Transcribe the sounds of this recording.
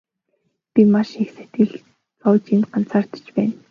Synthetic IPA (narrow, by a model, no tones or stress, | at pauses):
pʲimaʃixset̪ɡɘ̆ɮ | t͡sɔːt͡ɕinɢan̥t͡saːr̥t̪ə̥̆t͡ɕpæːn